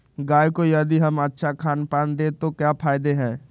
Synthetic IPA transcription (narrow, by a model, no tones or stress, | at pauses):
ɡaːjkojɐd̪iɦɐmətːʃʰakʰaːnpaːnd̪et̪okjaːpʰaːɪd̪eɦɛ̃ː